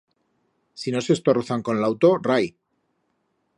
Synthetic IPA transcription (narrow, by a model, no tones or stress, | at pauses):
sino̞se̞st̪oroθaŋko̞nlawt̪o̞raj